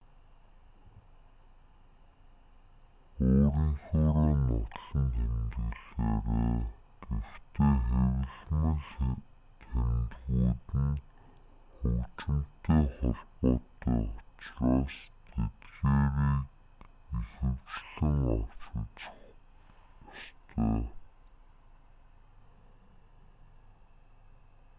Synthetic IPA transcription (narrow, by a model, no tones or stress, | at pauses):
ʊːɾə̆ŋχʊːʁiːŋʊ̰t̪ɮə̆nt̪ʰemt̪ɘɮæːʁaː | kext̪eːχæwɪ̆ɮmə̆ɮ | tʰemt̪ɣuːt̪ɘ̆n | ʊt͡ɕɪ̆m̥t̪eːχʊɮpʊːt̪iːɔt͡ɕraːst̪ʰet̪ɣeːɾiːk | ixɘ̆wt͡ɕɮɘ̆ŋɔt͡ɕʊ̆t͡ɕ̆χ | ɔst̪ʰæː